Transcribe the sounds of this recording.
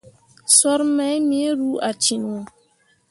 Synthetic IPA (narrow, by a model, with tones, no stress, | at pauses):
sɔ˦ɾmɛ˦jmi˦e˦ɾu˦ʔa˨t͡ʃi˨n˨ɔ˨